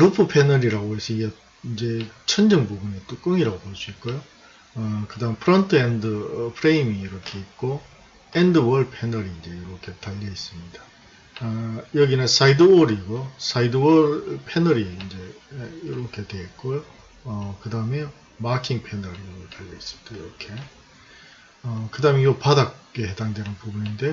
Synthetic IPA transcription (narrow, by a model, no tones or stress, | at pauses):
ɾopʰɯpʰenʌɾiɾaɡoɦesʰʌiɡe | ind͡ʑe̞t͡ɕʰʌnd͡ʑɯŋbubunit͈ok͈ɯŋiɾaɡopoɭs͈uit̚k͈ojo | ʌkɯdaɯmepʰɯɾʌntʰɯendɯpʰɯɾeimiːɾʌkʰe̞it̚k͈o | endɯwʌɭ̚pʰenʌɾiːnd͡ʑe̞iɾʌkʰe̞taʎːʌis͈ɯmɲida | jʌɡinesaidɯoɾiɡos͈ʰaidɯwʌɾpʰenʌɾiːnd͡ʑe̞iɾʌkʰe̞dwe̞ɦet̚k͈ojo | ʌkɯdaɯme | makʰiŋpʰenʌɾiotaʎːʌis͈ɯmɲid̥aiɾʌkʰe̞ | ʌkɯdameiɡopadak̚eɦe̞daŋdwe̞nɯnpubuninde̞